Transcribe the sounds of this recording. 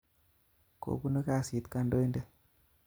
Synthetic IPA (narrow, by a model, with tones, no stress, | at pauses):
ko̰˨bu˦no˦ka˦si˨t̪ka˦ndo˦i˦nde˦